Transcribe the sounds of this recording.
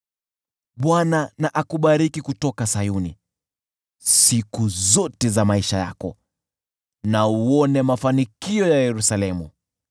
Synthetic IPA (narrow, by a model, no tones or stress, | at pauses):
ɓwananaʔakuɓaɾikikutɔkasajunḭ | sikuzɔtɛzamaiʃaja̰kɔ | nauɔnɛmafanikiɔjajɛɾusalɛmṵ